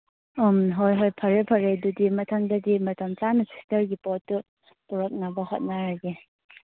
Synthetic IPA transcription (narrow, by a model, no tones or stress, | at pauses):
ɔmɦojɦojpʰɐɾepʰɐɾedudimɐtʰɐŋdɐdimɐtʰɐmt͡ʃanisi̥stɐɾɡipɔtːu | puɾɔk̚nabɐhot̚naɾaɡe